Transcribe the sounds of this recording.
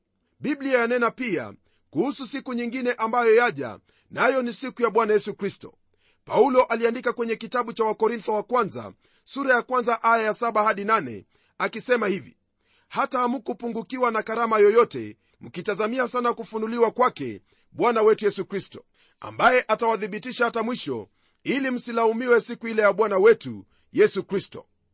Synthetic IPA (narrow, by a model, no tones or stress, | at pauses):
ɓibliajanɛnapia̰ | kuhususikuɲiŋɡinɛʔambajɔjaʄa̰ | najɔnisikujaɓwanajɛsukɾistɔ̰ | paulɔʔaliandikakwɛɲɛkitaɓut͡ʃawakɔɾint̪ɔwakwanza̰ | suɾajakwanzaʔajajasaɓahaɗinanɛ̰ | akisɛmahivḭ | hatahamukupuŋɡukiwanakaɾamajɔjɔtɛ̰ | m̩kitazamiasanakufunuliwakwakɛ̰ | ɓwanawɛtujɛsukɾistɔ̥ | a̰mbajɛʔatawaθiɓitiʃahatamwiʃɔ̰ | ilim̩silaumiwɛsikuilɛjaɓwanawɛtu | jɛsukɾistɔ̰